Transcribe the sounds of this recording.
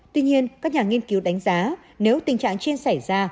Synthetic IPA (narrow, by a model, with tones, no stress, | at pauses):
t̪wi˧ɲi˧ənkaː˦˥k̚ɲaː˨˩ŋi˧ənki˨˦wɗa˨˦jŋ̟zaː˨˦ | ne˨˦wt̪ï˨˩ŋ̟t͡ɕa̰ː˧˨ŋt͡ɕe˧nsa˧˩jzaː˧